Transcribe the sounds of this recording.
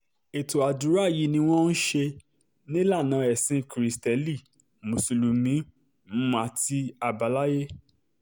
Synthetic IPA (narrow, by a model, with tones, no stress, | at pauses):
e˨to˨a˨du˨˦ɾa˦˨ji˨˧˦nĩ˧w̃ɔ̃˦n̩˦ʃe˧ | nĩ˦la˦˨nã˨˧˦ɛ˨sĩ˧˦kɾi˨stɛ˨˦li˦˨ | mo˨su˨lu˨mĩ˨˦ | m̩˦m˦a˧ti˧a˨ba˨˦la˦je˦